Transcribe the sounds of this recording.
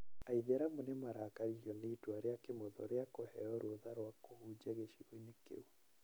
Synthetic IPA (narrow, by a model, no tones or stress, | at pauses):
aiðeɾamonemaɾakaɾiɔneitwaɾeakemɔðɔ̰ɾeakohɛɔɾoðaɾwakohud͡ʒɛɣeʃiɾoinekḛu